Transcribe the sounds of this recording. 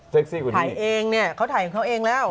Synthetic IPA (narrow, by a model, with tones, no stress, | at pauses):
se˦˩k̚si˥˩ku˧˨aː˨˩˦jʔeː˧ŋni˥˩ɐkʰa˦˥wt̪a˨˩˦ka˨˩ŋkʰwʔeː˧ŋlɛː˦˥˩w